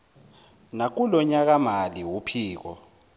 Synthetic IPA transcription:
nak̬ulɔɲak̬amaliwupʰiːk̬ɔ̰

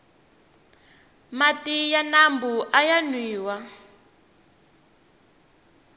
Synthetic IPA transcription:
matijanambuʔajanwiːwa

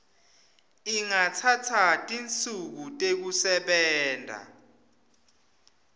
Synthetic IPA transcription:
iŋatʰatʰatʼint͡sʼuk̬utʼek̬usɛɓɛːndʱa̰

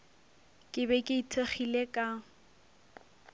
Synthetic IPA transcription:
kʼɪbɛkʼɪitʰeχilekʼa

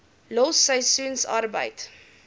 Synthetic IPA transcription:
lɔsəjsunsɑ̰rbə̰jt

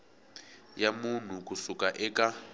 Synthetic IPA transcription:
jamun̤ukusukʼaʔɛka

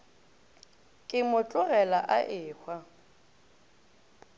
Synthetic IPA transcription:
kʼɪmʊt͡ɬʼʊɣɛlaʔaʔɪːhwa

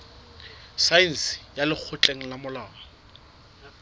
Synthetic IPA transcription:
sain̩sɪ̥jalɪk͡xʰʊt͡ɬʼeŋ̩lamʊlaːɔ

